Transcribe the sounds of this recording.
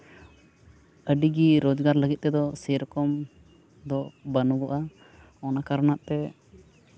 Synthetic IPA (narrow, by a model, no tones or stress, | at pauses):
əɖiɡiɾod͡ʒɡaɾləɡit̪̚ˀt̪ɛd̪ɔsɛjɾɔkɔm | d̪ɔbənuɡɔʔa | ɔnakaɾɔnaʔt̪ɛ